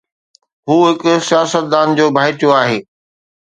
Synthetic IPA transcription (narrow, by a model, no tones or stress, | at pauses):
ɦuːɦɪkʊsijaːsət̪̚d̪aːnd͡ʑoːbʱaːɪt̪ijoaːɦeː